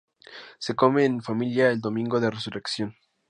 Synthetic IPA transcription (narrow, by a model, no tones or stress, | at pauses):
se̞ko̞me̞ːnfamiljaeld̪o̞mĩŋɡo̞ðeresuɾeksjo̞n